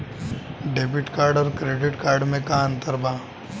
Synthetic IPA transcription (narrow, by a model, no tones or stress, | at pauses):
ɖeːbɪʈkaːɾɖɔːɾkɾeːɖɪʈkaːɾɖmẽkaə̃nt̪əɾbaː